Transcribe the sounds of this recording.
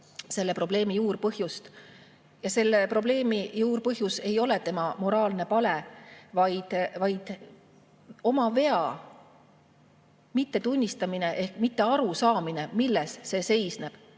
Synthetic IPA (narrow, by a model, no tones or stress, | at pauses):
se̞lːe̞pro̞b̥le̞ːmijuːrpɤɦjust̪ | jɑse̞lːepro̞b̥le̞ːmijuːrpɤɦjuse̞jo̞le̞t̪e̞mɑmo̞ɾɑːlne̞pɑle̞vɑjd̪̥vɑjd̪̥ | o̞mɑve̞ɑ | mit̪ːe̞t̪unʲːist̪ɑmine̞ʔe̞hkmit̪ːe̞ɑɾusɑːmine̞milːe̞sːe̞se̞jsne̞b̥